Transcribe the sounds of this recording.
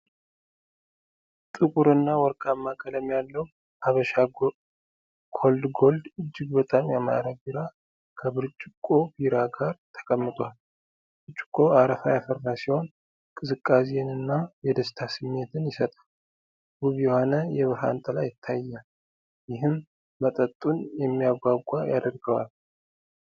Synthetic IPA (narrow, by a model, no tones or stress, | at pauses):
t̪ʼɨkʼuɾɨnːawɔɾkʼamːakʰʼələmjalːəw | aβəʃa | kʰold̪ɡo̞ld̪ɨd͡ʒːɪɡbət̪ʼamjama̰ɾəbiɾa | kʰəβɨɾt͡ʃʼːɪkʼo̞biɾaɡaɾt̪ʰə̥kʼəmːɨt̪ʼwal | ɨbt͡ʃʼːɪ̥kʼːo̞aɾəfajafərːasiho̞n | kʼɨzɨkʼːasijɛnɨnːajɛd̪əst̪ʰasɨmːe̞t̪ʰɨnjɪsət̪ʼa | ɡuβjɛho̞nəjɛβɨɾɦa̰nt̪ʼəlajɪt̪ʰːajːal | jɪɦɨmː | ət̪ʼət̪ʼːunjɛmːijaɡʷaɡʷʼajad̪əɾɡəwa̰l